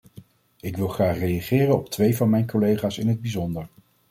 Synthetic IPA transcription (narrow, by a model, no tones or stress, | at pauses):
ɪkʋɪlˠχraːχrejaχɪːrənɔp̚tʋejvɑnmɛjnkɔlejχaːsɪnɦəd̚bizɔndəɹ